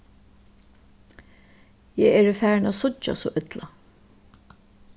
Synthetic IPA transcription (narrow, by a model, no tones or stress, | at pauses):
jɛɛːɹəfæːɹnasʊt͡ʃa̰sɔːʔʏt̪la